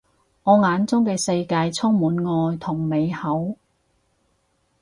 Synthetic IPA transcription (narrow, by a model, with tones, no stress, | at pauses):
ŋɔː˨˧ŋaː˨˧nt͡sʊ˥ŋkɛ˧sɐ˧jkaː˧jt͡sʰʊ˥ŋmuː˨˥nŋɔː˧jt̪ʰʊ˨˩ŋme˨˧jhɐ˨˥w